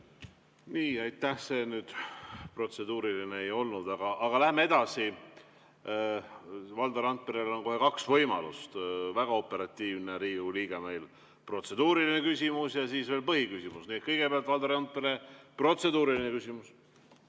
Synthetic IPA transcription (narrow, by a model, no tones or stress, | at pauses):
niːɑjt̪ːˑæhse̞ːnyːd̪̥pro̞t̪se̞d̪uːɾilineejo̞lnud̪̥ɑɡ̥ɑʔɑɡ̥ɑlæhemːee̞d̪̥ɑsi | vɑld̪̥ɑɾɑnt̪̚peɾelo̞nko̞ɦe̞kɑksvɤjmɑ̰lust̪væɡ̥ɑo̞pːˑe̞ɾɑt̪ʲːiːvne̞ɾiːuliːɡ̥emejl | pro̞t̪se̞d̪uːɾiline̞kysʲimusjɑsiːsveːlpɤɦikysʲimusniet̪kɤjɡ̥e̞peɑlt̪vɑld̪ɑɾɑnt̪̚peɾepro̞t̪se̞d̪̥uːɾilinekysʲimus